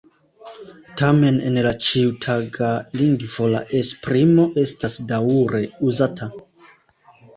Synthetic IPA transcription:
tame̞nḛnlat͡ʃiutʰaɡaliŋɡvo̞la̰ʔespɾimo̞ʔe̞stasdaɾe̞uzatʰa

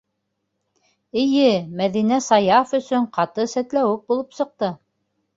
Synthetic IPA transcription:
ɘ̆jɘmæðinæsɑjɑfɵ̆sɵɴqɑt̪ɤsæt̪læwɘk̚bulˠɤpsɤ̆q̚t̪ɤ

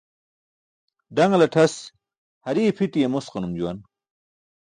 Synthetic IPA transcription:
ɖɐŋlɐʈʰɐs | hɐɾiːpʰiʈijemosqɐnumd͡ʑuwɐn

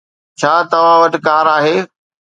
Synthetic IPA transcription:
t͡ɕʰaːt̪ɐʋãʋɐʈkaːɾaːɦeː

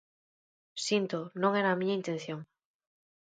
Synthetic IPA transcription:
sint̪onõŋeɾamĩɲaint̪en̟θjoŋ

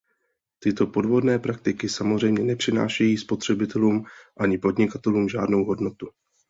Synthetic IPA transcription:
t̪ɪt̪o̞po̞dvo̞dnɛːpɾak̚t̪ɪkɪsamozrɛjmɲɛnɛpr̥ɪna̰ːʃɛjiːspo̞t̪r̝̥ɛbɪt̪ɛluːmʔaɲɪpo̞dɲɪkat̪ɛluːmʒaːdnowɦo̞dno̞t̪u

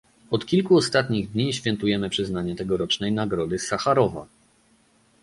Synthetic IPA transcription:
ɔt̪kʲilkuɔst̪at̪ɲiɣd̪ɲiɕfʲjɛnt̪ujɛmɘpʂɘznaɲɛt̪ɛɡɔɾɔt͡ʂnɛjnaɡɾɔd̪ɘsaxaɾɔva̰

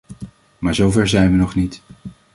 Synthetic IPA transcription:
maːɹzowvɛɹzɛjnʋənɔχnit

